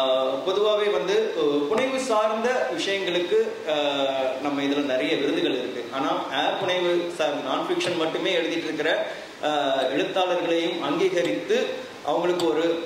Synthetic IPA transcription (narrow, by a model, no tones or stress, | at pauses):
pɔðɯʋaːʋeːʋɐnd̪ɯpʊɳɐɪʋɯsaːɾnd̪ɐʋɪʂɐjɐŋɡɐɭɯkːɯ | nɐmːɐɪðɐlɐnɪɾɐjɐʋɪɾɯnd̪ɯɣɐɭɪɾɯkːɯʔaːnaːeːɾpʊɳɐɪʋɯsaɾd̪ɯnaːnfɪkʂɐnmɐʈːɯmeːɛɻɯðɪʈːɪɾɯkːɪɾɐ | ɛɻɯt̪ːaːlɐɾɣɐɭɐjɯmɐŋɡiːɣɐɾɪt̪ːɯ | ʔɐ̰ʋɐŋɡɐɭɯkːɯɔɾɯ